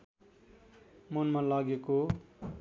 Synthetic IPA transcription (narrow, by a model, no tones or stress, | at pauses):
monmalaɡeko